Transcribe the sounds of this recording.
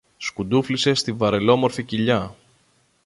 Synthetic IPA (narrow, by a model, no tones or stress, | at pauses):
skud̪uflise̞st̪ivɐɾe̞lo̞mo̞ɾficiʎɐ